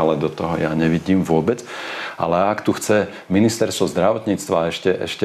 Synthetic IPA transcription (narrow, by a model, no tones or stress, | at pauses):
alɛd̪ɔt̪ɔɦɔjaɲɛʋiɟiːmʋʊɔbɛt͡sa̰lɛakt̪uxt͡sɛ | minist̪ɛɾst̪ʋɔzd̪ɾaʋɔt̪ɲiːt͡st̪ʋaɛʃcɛʔɛ̰ʃcɛ